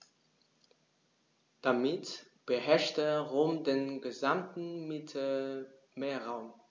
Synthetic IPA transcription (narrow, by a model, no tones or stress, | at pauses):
d̥amɪt | b̥əɦɛɐʃtəʁoːmdeːnɡəzamtn̩mɪtʰə | meːɐʁaʊm